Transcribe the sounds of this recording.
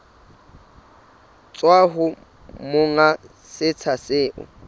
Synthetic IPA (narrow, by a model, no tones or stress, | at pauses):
t͡sʼwaɦʊ | mʊŋa | sɪt͡sʰasɪːʔʊ̰